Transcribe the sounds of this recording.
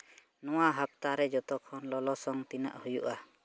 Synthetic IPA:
nɔwaɦap̚t̪aɾɛd͡ʒɔt̪ɔkʰːɔnlɔlɔsɔŋt̪ina̰ʔhujṵʔa

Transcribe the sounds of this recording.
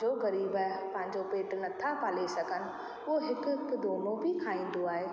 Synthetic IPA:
d͡ʑoɣɐɾiːbpɐ̃ɦɪ̃ɲ̆d͡ʑopeːʈʊnɐt̪ʰapaːlesɐɡʱənɪ̆ | ʊɦoɦɪkʊ̆kd̪oːmõbʱɪkʰaːĩːn̆d̪oaːɦeː

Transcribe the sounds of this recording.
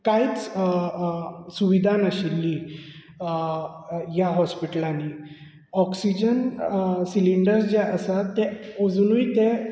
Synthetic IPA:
kait͡s | suʋid̪ʱanaɕilːi | jaɦɔspiʈlãnːi | ɔksid͡ʑənsiliɳɖəɾsd͡ʑɛʔəsat̪ːeod͡znuit̪e

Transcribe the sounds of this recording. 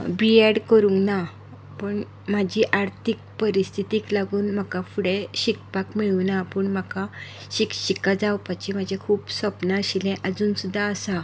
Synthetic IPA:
biɛɽkəɾuŋkna | pəɳ | m̤ad͡ʑʱiʔaɾt̪ʰik̚pəɾist̪ʰit̪iklaɡuːnm̤akafuɽẽɕikpakmiɭunapəɳm̤aka | ɕikɕikad͡zawpat͡ɕim̤ad͡ʑʱẽkʰuːpsəpnaɕilɛ̃ʔəd͡zuːnsud̪ʱːaəsa

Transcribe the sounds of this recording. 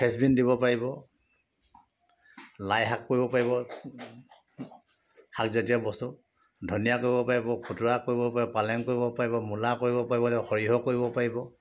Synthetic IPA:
pʰɛsbindibɔpaɹibɔ | lajɦakːoɹibɔpaɹiβɔ | hakzetijabɔstu | dʱonijakoɹibɔpaɹibɔkʰutuɹakoɹibɔpaɹiɔpalɛŋkoɹibɔpaɹibɔmulakoɹibɔpaɹibɔtɛxɔɹiɦɔkoɹibɔpaɹibɔ

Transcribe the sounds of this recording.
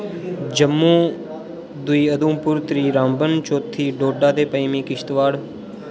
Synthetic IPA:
d͡ʒəmːũː | d̪ʊiːəd̪ũːpʊɾt̪ɾiːɾãːmbənt͡ʃoːt̪ʰːiːɖoːɖaːd̪eːpəimĩːkɪʃt̪ʋaːɽ

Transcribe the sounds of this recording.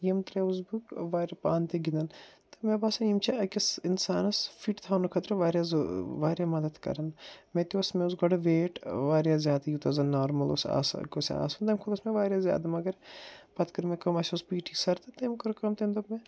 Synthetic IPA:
jemt̪ɾeuzbukʋaːɾɐpaːnt̪eɡid̪ɐnt̪ɐmebaːsɐnimt͡ʃʰiɐkisinsaːnɐsfʰiʈt̪ʰaːnukʰɐt̪ɾɐʋaːɾʲjazʋaːɾjamɐd̪ɐd̪kɐ̰ɾɐnmẽt̪iɐsmẽusɡɐɽɐʋeːʈʋaːɾjazʲjaːd̪ajut̪ɐzɐnaːɾmɐlo̰sa̰ːskosa̰ːsɐnd̪ɐmkʰud̪ɐsmẽʋaːɾʲjazja̰ːd̪ɐmɐɡɐɾpɐt̪kɐɾmẽkɐmɐsuspiːʈʰisɐɾt̪ɐt̪emkɐɾkɐmt̪ʰend̪ome

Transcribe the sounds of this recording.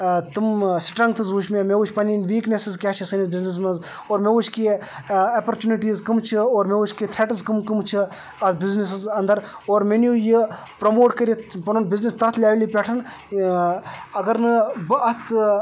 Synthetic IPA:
t̪ɨmsi̥ʈɾɐŋɡ̚t̪ʰɨzuʃmemeut͡ʃʰʲpɐninʋiːknesizkʲaːt͡ʃʰisɐnizbiznis̬mɐz | oːɾmeut͡ʃʰʲkiɐpɐɾt͡ʃuniʈiːzkɨmt͡ʃʰioːɾmeut͡ʃʲkit̪ʰɾeʈɐzkɨmkɨmt͡ʃʰi | ɐt̪biznis̬ɨzɐnd̪ɐɾoːɾmenjuji | pɾɐmoːʈkɐɾipɐnonbiznist̪ɐt̪ʰlʲaːʋʲlipʲeʈʰɐn | ɐɡɐɾnɨbɨʔɐt̪ʰ

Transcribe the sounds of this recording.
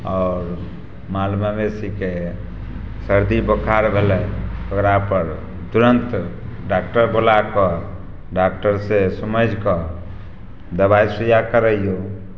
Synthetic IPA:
ɔːɾ | malmamesike | səɾd̪ibəkʰaɾbʱelɛəɡɾapəɾ | t̪uɾənt̪ | ɖak̚ʈəɾbolakə | ɖak̚ʈəɾsesəməd͡ʒʱkə | d̪əbajsijakəɾəjjo

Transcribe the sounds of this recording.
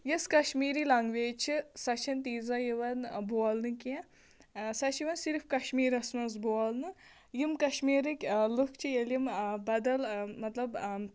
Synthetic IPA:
jiskɐʃmiːɾilɐŋɡʋeːt͡ʃʰisɐt͡ʃʰɐnt̪iːzɐjiʋɐnboɐlnɨkiɛ̃ | sɐt͡ʃjiʋɐnsiɾfkɐʃmiːɾɐsnɐs̬boɐlnɨ | jimkɐʃmiːɾɨkʲlukʰt͡ʃʰijɐljimbɐd̪ɐlmɐt̪lɐb

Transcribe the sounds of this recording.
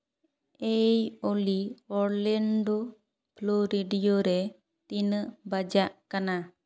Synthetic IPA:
ejoliɔɾlɛɳɖo | ploɾeɖijoɾɛ | t̪inəʔbad͡ʒaʔkana

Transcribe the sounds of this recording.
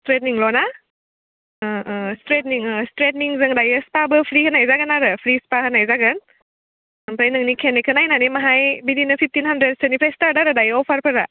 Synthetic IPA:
stɾet̚niŋlɔna | stɾetniŋstɾet̚niŋzɯŋdajɯspabɯpʰɾihənajzaɡənaɾɯpʰɾispahɐnajzaɡɐn | mpʰɾajnɯŋnikʰenekʰənajnanimaɦajbidinɯpʰip̚ʰtinhandɾed̚senipʰlajstaɾdaɾɯdajɔpʰaɾpʰɯɾa

